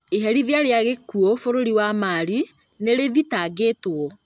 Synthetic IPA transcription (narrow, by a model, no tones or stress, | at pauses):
eɦɛɾiðeaɾeaɣekuɔfoɾoɾiwamaːɾi | neɾeðitaɡeːtoɔ